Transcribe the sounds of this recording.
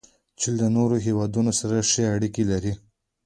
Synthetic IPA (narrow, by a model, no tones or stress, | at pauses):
t͡ʃild̪ənoɾoɦewɑd̪unosaɾaʂeaɽikelaɾi